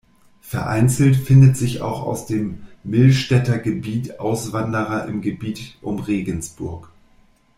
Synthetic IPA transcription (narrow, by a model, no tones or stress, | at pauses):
fɛɐʔa̰ɪnt͡sl̩tfɪndətz̥ɪça̰ʊxa̰ʊsd̥eːmːɪlʃtɛtɐɡəbiːtʔaʊsv̥andəʁɐʔɪmɡəbiːtʔʊmʁeːɡən̩sb̥ʊɐk